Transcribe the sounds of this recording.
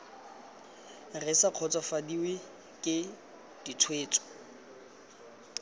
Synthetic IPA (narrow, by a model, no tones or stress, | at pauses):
rɪsaq͡χʰɔt͡sʼɔfadiwɪ | kʼɪ | d̥it͡sʰweːt͡sʼɔ̥